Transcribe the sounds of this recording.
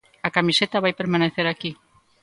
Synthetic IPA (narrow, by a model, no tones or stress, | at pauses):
akamiset̪aβ̞ajpeɾmaneθeɾaki